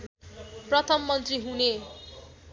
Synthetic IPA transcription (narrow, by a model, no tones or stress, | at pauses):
prʌt̪ʰʌmːʌnt̪riɦune